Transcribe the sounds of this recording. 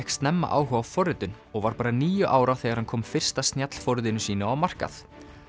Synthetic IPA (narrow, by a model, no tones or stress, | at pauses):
hkst̪nɛmːa̰ʔa̰ːwɦʏawfɔɾɪt̪ʏn | ɔɣvaɾpaːɾaniːjʏʔaːwɾawθɛːɣaɾhankʰɔːmfɪr̥st̪ast̪njat̪l̥fɔɾɪðɪnʏsiːnaawmar̥ka̰θ